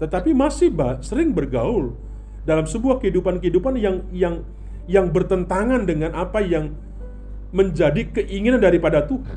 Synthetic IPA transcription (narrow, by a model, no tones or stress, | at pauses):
t̪ət̪apimasɪhbasəɾɪŋbərɡaʊl | dalamsəbuahkəɦidupankəɦidupanjaŋjaŋ | jaŋbərt̪ənt̪aŋandəŋanʔapajaŋ | məɲd͡ʒadikəʔiŋinandaɾipadat̪uɦa